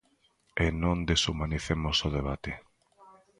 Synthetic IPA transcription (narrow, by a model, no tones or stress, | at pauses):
enõnd̪esumaniθemosoð̞eβ̞at̪e